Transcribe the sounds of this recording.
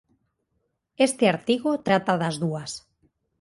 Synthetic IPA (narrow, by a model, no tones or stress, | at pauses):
est̪eaɾt̪iɣot̪ɾat̪aðazðuas